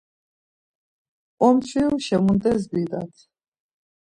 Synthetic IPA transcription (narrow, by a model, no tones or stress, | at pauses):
ɔmt͡ʃʰwiwʃɛmunt̪ʼɛs̬bid̪a̰t̪ʰ